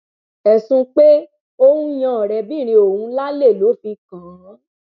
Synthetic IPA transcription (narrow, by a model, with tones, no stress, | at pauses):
ɛ˨sũ˧k͡pe˦ | o˧hũ˦j̃ã˨ɾɛ˨bĩ˦˨ɾ̃ĩ˧o˨hũ˧la˦le˦˨lo˨˦fi˧kã˨˦